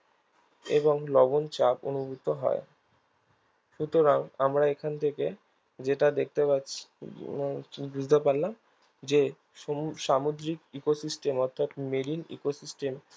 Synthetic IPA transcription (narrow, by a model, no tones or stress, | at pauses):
eboŋlɔbont͡ɕapo̰nubʱut̪ːoɦɔ̰e | ʃut̪oɾaŋamɾaekʰant̪ʰeke | d͡ʑeʈad̪ek̚ʰt̪epatːɕʰi̥ | bud͡ʑʱd̪epaɾlam | d͡ʑe | ʃamod̪ɾikikosisʈemɔɾt̪ʰːat̪melinḭkosisʈem